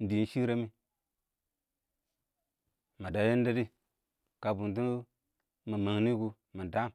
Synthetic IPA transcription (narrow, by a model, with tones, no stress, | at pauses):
n̩˦di˨˦n̩˦ʃi˦ɾa˦mi˦ | ma˨da˨je˦n˦da˦di˦ | ka˨bu˨nt̬i˦ | ma˨ma˨ŋni˦ɡu˨ | ma˨da˦˨m